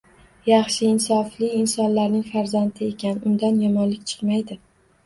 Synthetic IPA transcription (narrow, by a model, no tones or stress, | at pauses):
jɑχʃɪɪnsɒflɪɪnsɒnlaɾnɪŋfaɾzant̪ʰɪe̞kʲʰanʊnd̪anjɒmɒnlɪk̚ʲt͡ʃʰɨ̥qmajd̪ɪ